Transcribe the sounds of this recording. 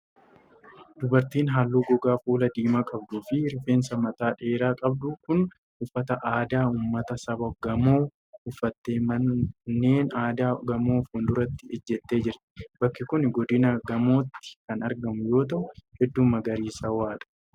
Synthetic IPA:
d̪̥ʊbɐɾt̪iːnɦaːlːuːɡɔɡaːfuːlɐd̪iːmakʼɐb̚d̪ʊfɪɾɪfe̞ːnsɐmɐt̪aːᶑe̞ːɾaːkʼɐb̚d̪ʊkʊn | ʊfːɐt̪ɐʔaːd̪aːʊmːɐt̪ɐsɐbɐɡɐmoː | ʊfːɐt̪ːe̞ːmɐnːeːnaːd̪aːɡɐmoːfʊnd̪ʊɾɐt̪ːɪ̥ɛd͡ʒːɛt̪ːe̞ːd͡ʒɪɾt̪ɪ̥bɐkːɪkʊnɡɔd̪ɪnɐɡɐmo̞ːt̪ːɪ̥kɐnɐɾɡɐmʊjo̞ːt̪ɐʔʊhɛd̪ːʊmːɐɡɐɾiːsɐwaːᶑɐ̥

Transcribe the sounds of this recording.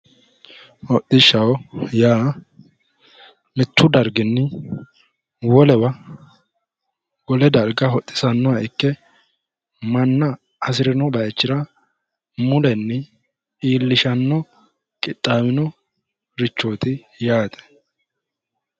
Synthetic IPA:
hɔt̪ʼːɪʃːɐwjaː | mɪt̪ːʊd̪ɐɾɡɪnːɪ | wɔlɛbɐ | ɡɔlɛd̪ɐɾɡɐɦɔt̪ʼːɪ̥sɐnːɔwaɪkːɛ | mɐnːɐ | ɐsɪɾɪnɔbɐjɛt͡ʃːɪɾɐ | mʊlɛnːɛ | iːlːɪʃɐnːɔ | kʼɪt̪ʼːaːmɪnɔ | ɾɪt͡ʃːoːt̪ɪ | jaːt̪ʼɛ̥

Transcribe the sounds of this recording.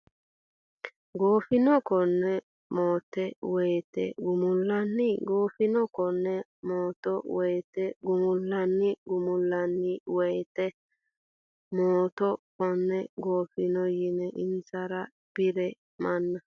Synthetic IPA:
ɡoːfɪnɔkɔnːɛ | moːt̪ːɛwɔjt̪ɛ̰ɡʊmʊlːɐnːɪɡoːfɪnɔkɔnːɛmoːt̪ɔwɔjt̪ɛɡʊmʊlːɐnːɪɡʊmʊlːɐnːɪwɛjt̪ɛ | moːt̪ɔkɔnːɛɡoːfɪnɔjɪnɛʔɪnsɐɾa | b̥ɪɾɛ | mɐnːɐ

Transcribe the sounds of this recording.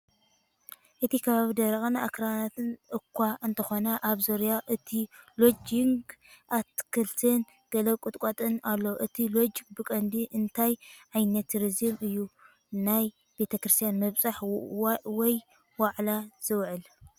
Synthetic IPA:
ʔɨt̪ʰikʰɐβaβid̪ɐɾɐχʼnaakɾanat̪ʰɨnʔɨkʰʷːaɨnt̪ʰɐxonɐʔaβzoɾjaʔɨt̪ʰilo̞d͡ʒɪŋɡʔat̪kʰɨlt̪ʰɨn | ɡ̥ɐlɐβkʼut̪ʼkʼat̪ʼɨnalːo̞ʔɨt̪ʰilod͡ʒɡbɨkʼɐnd̪iʔɨnt̪ʰajʕajnɐt̪ɾɨzɨmɨjːu | naj | b̥e̞t̪ʰɐkɾɨst̪ʰijanmɐβsʼaħ | wɔj | waʕlaz̥ɨwʕɨl

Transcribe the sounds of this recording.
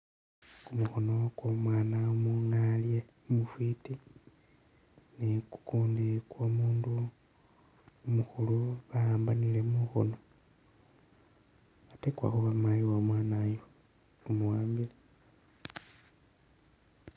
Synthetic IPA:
kumuxo̞no̞kwomwaːnaomuŋalje | umufwiti | niku̥kuːndikwomuːndu | umuxuluβaaːmbanile̞muxo̰no̞ | atekwa̰xuβamajiwamwaːnajo | umuwaːmbile

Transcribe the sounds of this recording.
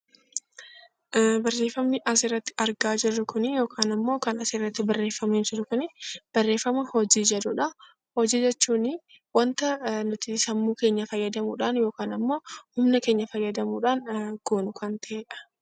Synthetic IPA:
bɐrːe̞ːfːɐmnɪʔɐsɪrːɐt̪ːɪ̥ʔɐɾɡaːd͡ʒɪrːʊkʊnɪjo̞ːkʰaːnɐmːo̞ːkɐnɐsɪrːɐt̪ːɪbɐrːe̞ːfːɐmeːmd͡ʒɪrʊkʊnɪb̥ɐrːeːfːɐmɐhɔd͡ʒiːd͡ʒɛᶑ̪ʊᶑɐ | hɔd͡ʒiːd͡ʒɛt͡ʃːuːnɪ | wɐnt̪ɐnʊt̪ɪsɐmːuːke̞ːɲːɐfɐjːɐd̪ɐmuːᶑaːnjo̞ːkaːnɐmːo̞ːhʊmnɐke̞ːɲːɐfɐjːɐd̪ɐmuːᶑaːnɡ̥oːnʊkɐnt̪ɐʔeːᶑɐ̥

